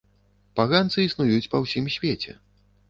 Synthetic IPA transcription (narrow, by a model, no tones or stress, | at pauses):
paɣant̪sɨisnujut͡sʲpɐwsʲimsʲvʲet͡sʲɛ̰